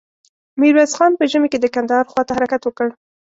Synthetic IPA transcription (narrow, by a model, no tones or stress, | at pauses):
miɾwazxɑnpəʒəmeked̪əkand̪ɑhɑɾxwɑt̪ahaɾakat̪wəkəɽ